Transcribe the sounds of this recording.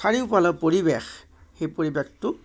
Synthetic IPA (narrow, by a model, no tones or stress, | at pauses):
saɹiʊpalɔpoɹibex | xejpoɹibextʊ